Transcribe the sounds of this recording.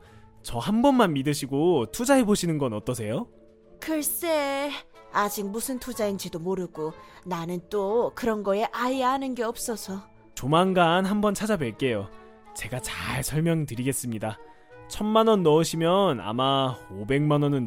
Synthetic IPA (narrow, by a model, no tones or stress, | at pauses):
t͡ɕʌhambʌnmanmidɯɕʰiɡotʰud͡ʑaeboɕʰinɯnɡʌnʌt͈ʌsʰe̞jo | kɯɭs͈e | ad͡ʑik̚musʰɯntʰud͡ʑaind͡ʑidomoɾɯɡ̥onanɯnt͈okɯɾʌnɡʌe̞ʔajaanɯnɡe̞ʌp̚s͈ʌsʰʌ | t͡ɕomanɡanɦambʌnt͡ɕʰad͡ʑabwe̞ɭk͈e̞jo | t͡ɕe̞ɡat͡ɕaɭsʰʌɭmjʌŋtɯɾiɡe̞s͈ɯmɲida | t͡ɕʰʌnmanʌnːʌɯɕʰimjʌna̰maobe̞ŋmanʌnɯn